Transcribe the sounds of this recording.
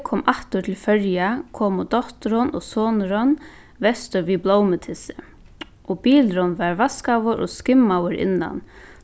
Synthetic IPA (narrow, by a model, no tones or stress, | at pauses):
kʰɔːmʔaht̪ʊt̪ʰɪlfœɹjakʰɔːmʊd̪ɔht̪ɾɔnɔsɔːnɾɔn | vɛst̪ʏɾviblowmət̪ʰɪsɪ | ɔbiːlɾɔnvaɹvaskawʊɾʔɔ̰skɪmːawəɾɪ̰nːa̰n